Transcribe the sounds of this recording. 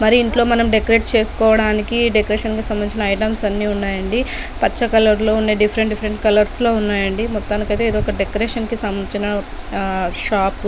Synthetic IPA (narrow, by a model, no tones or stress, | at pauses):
mɐɾiːɳʈlo̞ːmɐnɐmɖekɐɾe̞ːʈt͡ʃe̞ːsu̥kɔːʋɐɽaːnikiɖekɐɾeːʂɐnkisɐmbɐniːt͡ʃinɐːjʈɐmsɐnːiːunːaːjɐɳɖi | pɐt͡ʃːɐkɐlɐɾlo̞ːunːeːɖipʰɐɾeɳʈɖipʰɐɾeɳʈkɐlɐɾslo̞ːunːaːjɐɳɖimɔt̪ːaːnikɐjt̪e̞ːid̪iɔkɐɖekɐɾeːʂɐnkisɐmːɐnt͡ʃinɐ | ʃaːp